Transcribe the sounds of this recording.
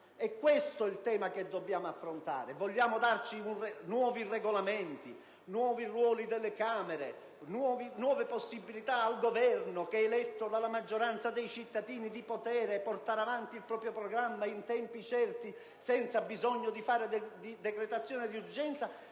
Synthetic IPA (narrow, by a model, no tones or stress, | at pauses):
ɛkːwest̪oɛilt̪ɛːmaked̪ːobːjaːmoafːɾont̪a̰ːɾevɔlʎːaːmod̪art͡ʃiunrenwɔːvirɛɡolamɛnt̪i | nwɔːvirwɔːlid̪elːekaːmɛɾe | nwɔːvinwɔːveposːibːilit̪aːlɡovɛrnokeɛːlɛt̪ːod̪alamad͡ʒːoɾant̪sad̪ejt͡ʃit̪ːad̪iːnid̪ipot̪ɛːɾeport̪aːɾavant̪iilpɾɔːpɾjopɾɔɡɾamːaint̪ɛmpit͡ʃɛrt̪i | sɛnt̪sabizɔɲːod̪ifaːɾed̪id̪ɛkɾet̪at̪sːjɔːned̪iurd͡ʒɛnt̪sa